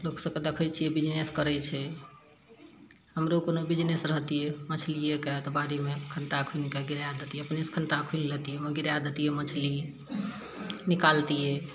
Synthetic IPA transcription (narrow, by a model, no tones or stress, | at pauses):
loksəb̚ked̪ekʰɛt͡ʃʰijɛbid͡ʒneskəɾɛt͡ʃʰɛ | ɦəmɾokonobid͡ʒnesɾəɦt̪ijɛmət͡ʃʰlijekɛt̪ɔbaɾimekʰənt̪akʰuinkeɡiɾjad̪et̪ijɛəpneskʰənt̪akʰuinlet̪ijɛməɡiɾjad̪et̪ijɛmət͡ʃʰlie | nikalt̪ijɛ